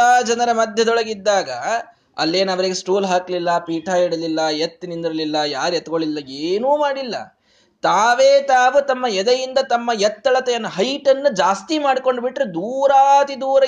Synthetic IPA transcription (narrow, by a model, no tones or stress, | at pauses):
aːd͡ʒɐnɐɾɐmɐd̪ʱjɐd̪ɔɭɐɡid̪ːaːɡɐ | ɐ̰lːe̞ːnɐʋɐɾiɡesʈuːlɦaːklilːɐpiːʈʰaːiɽɐlilːɐjet̪ːnind̪iɾɐlilːɐjaːɾɛt̪ɐɡoɭilːɐeːnuːmaːɽilːɐ̰ | t̪aːʋe̞ːt̪aːʋut̪ɐmːɐjɛd̪ɐjind̪ɐt̪ɐmːɐjɛt̪ːɐɭɐt̪ejɐnːuɦɐjʈɐnːud͡ʒaːst̪imaːɽiko̞ɳɖbiʈːɾud̪uːɾaːt̪id̪uːɾɐ